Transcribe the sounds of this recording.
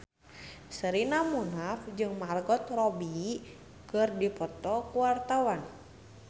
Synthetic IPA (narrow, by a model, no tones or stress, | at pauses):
səɾinamunafd͡ʒɨŋmarɡɔt̪̚rɔbi | kɨrdipɔt̪ɔkuwart̪awan